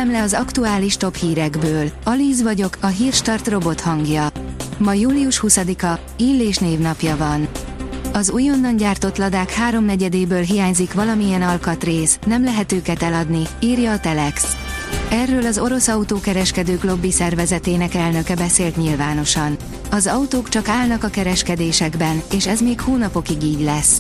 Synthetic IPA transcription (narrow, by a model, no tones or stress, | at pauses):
ɛmlɛɒzɒkt̪uaːliʃt̪o̞phiːɾɛɡbøːlɒliːzvɒɟo̞kɒɦiːrʃt̪ɒrt̪ro̞bo̞t̪hɒŋɡjɒmɒjuːliuʃhusɒd̪ikɒ | iːlːeːʃneːvnɒpjɒvɒn | ɒzujo̞nːɒɲɟaːrt̪o̞t̪lɒd̪aːkhaːɾo̞mnɛɟɛd̪eːbøːlɦijaːɲzikʋɒlɒmijɛnɒlkɒt̪reːsnɛmlɛɦɛt̪øːkɛt̪ɛlɒd̪niiːrjɒːt̪ɛlɛks | ɛrːøːlɒzo̞ɾo̞sɒut̪oːkɛɾɛʃkɛd̪øːklo̞bːisɛrvɛzɛt̪eːnɛkɛlnø̞kɛbɛseːlt̪ɲilvaːno̞ʃɒn | ɒzɒut̪oːkt͡ʃɒkaːlnɒkɒkɛɾɛʃkɛd̪eːʃɛɡbɛneːʃɛzmeːkhoːnɒpo̞kiɡiːɟlɛs